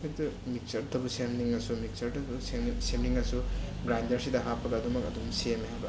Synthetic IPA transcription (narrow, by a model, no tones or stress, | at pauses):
etumik̚sɐɾtʰɐbɐsemniŋɐsumik̚sɐɾtʰɐussemniŋɐsuɡɾajndɐɾsidɐɦapːɐɡɐːdumɐkɐdumsemeɦabɐ